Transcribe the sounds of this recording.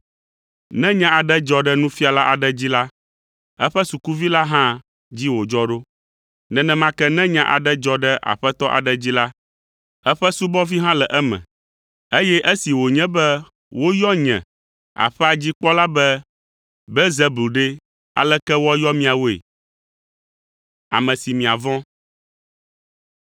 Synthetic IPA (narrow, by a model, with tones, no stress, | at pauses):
nɛ̃˦ɲã˦a˨ɖɛ˦d͡ʒɔ˦ɖɛ˦nũ˦fi˦a˨la˦ʔa˨ɖɛ˦d͡ʑi˦la˦ | ɛ˦ɸɛ˦su˨ku˦vi˦la˦ɦã˦ | d͡ʑi˦wo˨d͡ʒɔ˦ɖo˦ | nɛ̃˨nɛ̃˨˦mã˦kɛ˦nɛ̃˦ɲã̰˦ʔa̰˨ɖɛ˦d͡ʒɔ˦ɖɛ˦ʔa̰˨ɸɛ˦t̪ɔ˦ʔa̰˨ɖɛ˦d͡ʑi˦la˦ | ɛ˦ɸɛ˦su˦bɔ˦vi˦ɦã˦lɛ˨ʔɛ˦mɛ̰̃˨ | e˦jɛ˦ʔe˦si˨wo˨ɲɛ̃˦bɛ˦ | wo˦jɔ˦ɲɛ̰̃˨ | a̰˨ɸɛ˦a˨d͡ʑi˦k͡pɔ˦la˦bɛ˦ | bɛ˦ze˦˨blu˨ɖe˦ | a̰˨lɛ˦kɛ˦wɔ˦jɔ˦mĩ˦a˨wo˦ḛ˨ | a̰˨mɛ̃˨si˨mĩ˨a˨vɔ̃˦